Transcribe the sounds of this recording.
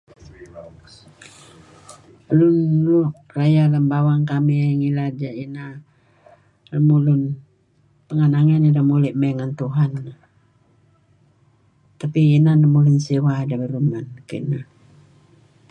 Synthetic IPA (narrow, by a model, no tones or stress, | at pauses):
lunluʔ | rajaləmbawaŋkamiŋilad͡ʒaʔina | ləmulun | pəŋanaŋanidamuliʔmɛŋant̪uɦana | t̪apiːnanəmulunsiwadabəɾumankə̰nah